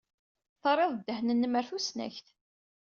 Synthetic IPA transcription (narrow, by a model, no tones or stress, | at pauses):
θəɾˤeðˤd̪ːəhnənːməɾθusnæ̰çθ